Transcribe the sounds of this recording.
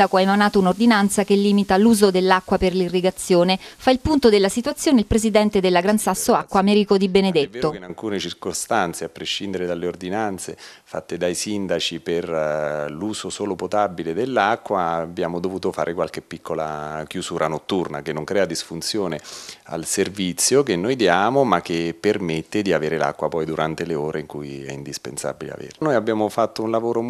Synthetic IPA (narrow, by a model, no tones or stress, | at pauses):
d̪akoaemanaːt̪ounord̪inant̪sakelːiːmit̪aluːzod̪elːakːwaperlirːiɡat̪sːjoːnefailpunt̪od̪elːasit̪wat̪sːjoːneilpɾezid̪ɛnt̪ed̪elːaɡɾansasːoakːwamɛɾikod̪ibened̪et̪ːonalkuːnet͡ʃirkost̪ant̪seapːɾeʃːind̪eɾed̪alːeord̪inant̪sefa̰t̪ːed̪ajsind̪at͡ʃiperluːzosoːlopot̪abiled̪elːakːwabːjaːmod̪ovuːt̪ofa̰ːɾʔekwalk̟epːikʰːola̰k̟jusuːɾʔanot̪ːurnakenːoŋkɾɛːad̪isfunt̪sjoːnea̰lservit̪sːjokenːojd̪jaːmomak̟ːepːermet̪ːed̪iaveːɾela̰kːwapɔjd̪uɾant̪eleoːɾeiŋkujɛ̰ind̪ispḛnsa̰bilḛa̰vḛɾnojabːjaːmofat̪ːounlavoːɾo